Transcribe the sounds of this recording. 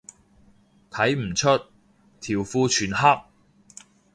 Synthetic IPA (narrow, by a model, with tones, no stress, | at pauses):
t̪ʰɐ˨˥jm̩˨˩t͡ʃʰɵ˥t̚ | t̪ʰiː˨˩wfuː˧t͡ʃʰyː˨˩nɦa˥k̚